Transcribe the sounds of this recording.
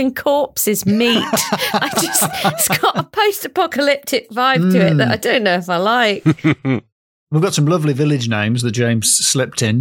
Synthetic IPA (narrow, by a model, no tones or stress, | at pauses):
ɪ̃nkʰɔˑpsɪzmiˑttaɪd͡ʒʌsɪtsɡɒʔəpʰəʊstəpʰɒkəlɪp̚tʰɪk̚vaɪvtʰəɪʔðəta̰ɪdõʊ̃nːoʊɪfaɪlaɪk̚ | wivɡɒtsə̃mlʌvlivɪlɪd͡ʒnḛ̃ɪ̃mzðəd̥ʒ̥ẽɪ̃mz̥slɪp̚tʰɪ̃n